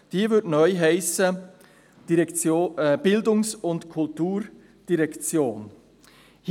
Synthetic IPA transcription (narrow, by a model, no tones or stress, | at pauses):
d̥iːvʏdnœʏɦæɪsə | d̥iɾɛkt͡sob̥ɪldʊŋsʊndkʰʊltuːɾ | d̥iɾɛkt͡sjoːn | h